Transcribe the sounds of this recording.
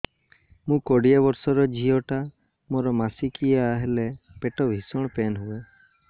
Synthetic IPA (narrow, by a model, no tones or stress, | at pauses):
mũkɔɽiabɔɾsɔɾɔd͡ʒʱiɔʈa | moɾɔmasikiaaɦelepeʈɔbʱisɔɽ̃penɦue